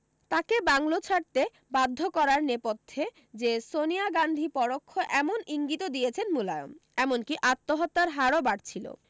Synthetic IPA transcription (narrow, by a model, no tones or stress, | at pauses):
t̪akebaŋlot͡ɕʰaɾt̪e | bad̪ʱːokɔɾaɾnepot̪ʰːe | d͡ʑesonijaɡand̪ʱipɔɽokʰːoʔɛmoniŋɡit̪od̪iet͡ɕʰenmulajo̰mɛmonkiʔat̪ːoɦɔt̪ːaɾɦaɾobaɽt͡ɕʰilo̰